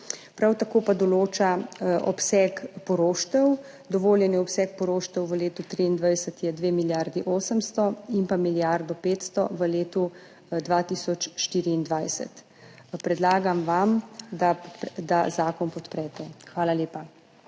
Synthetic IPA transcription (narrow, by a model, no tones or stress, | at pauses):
pɾawt̪akoːpad̪ɔloːt͡ʃaɔ̰psɛːkpɔɾoːʃt̪ɛw | d̪ɔʋoːljɛniɔpsɛk̚pɔɾoːʃt̪ɛwʋəleːt̪ut̪ɾiːnd̪ʋajsət̪jɛd̪ʋeːmiljaɾd̪iʔoːsəmst̪ɔinpamiljaɾd̪ɔpeːt̪st̪ɔʋəleːt̪u | d̪ʋat̪iːsɔt͡ʃʃt̪iːɾiːnd̪ʋajsɛ̰t̪ | pɾɛd̪laːɡamʋamd̪apd̪azaːkɔnpɔt̪pɾɛt̪ɛxʋaːlaljeːpa